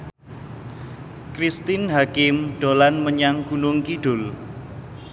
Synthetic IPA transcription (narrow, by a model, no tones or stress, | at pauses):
kɾist̪ɪnɦakɪmɖ̥olanməɲaŋɡunʊŋkiɖ̥ʊ̤l